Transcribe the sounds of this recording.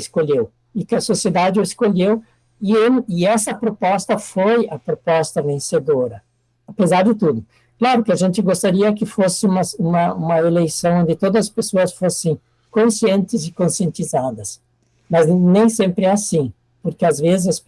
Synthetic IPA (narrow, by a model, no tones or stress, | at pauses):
ɪskoʎew | ɪkɪɐsosied̪ad͡ʒɪoɪskoʎew | ɪeɪɛsɐpɾopɔst̪ɐfojɐpɾopɔst̪ɐvẽsed̪oɾɐ | apezaɾd̪ɪt̪ud̪ʊ | klaɾʊkɪaʒẽnt̪ɪɡost̪aɾiɐkɪfosɪũmɐsũmɐũmɐelejsɐ̃w̃õnd̪ɪt̪od̪ɐzɐspesoɐsfosẽj̃ | kõsiẽnt̪ɪzɪkõsiẽnt̪izad̪ɐs | mɐznẽj̃sẽmpɾɪɛasĩ | poɾkɪazvezɪs